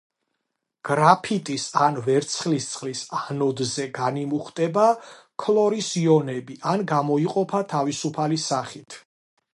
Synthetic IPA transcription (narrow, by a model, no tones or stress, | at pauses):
ɡ̥ɾapʰit̪ʼisanvɛɾt̪sʰχlist̪sʰʼχlisanɔd̪zɛɡanimuχt̪ʼɛba | kʰlˠɔɾisiɔnɛbiʔanɡamɔiqʼɔpʰat̪ʰavisupʰalisaχit̪ʰ